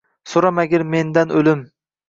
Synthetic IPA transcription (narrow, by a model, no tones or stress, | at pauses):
soɾamaɡʲɪɾme̞nd̪anolɪm